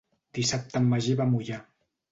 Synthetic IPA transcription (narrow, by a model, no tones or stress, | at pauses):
d̪̥isap̚t̪əmːəʒeβamuʎa